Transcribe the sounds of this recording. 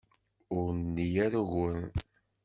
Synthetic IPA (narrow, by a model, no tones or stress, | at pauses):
ʊɾnːijæɾuʝən